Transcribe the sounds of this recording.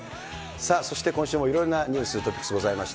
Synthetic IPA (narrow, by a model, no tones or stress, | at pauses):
saso̞ɕi̥t̪e̞kõɕɨːmo̞iɾõ̞nːaɲ̟ɨ̟ːsɨɾɯ̟t̪opʲi̥kːsɨɡo̞zaimaɕi̥t̪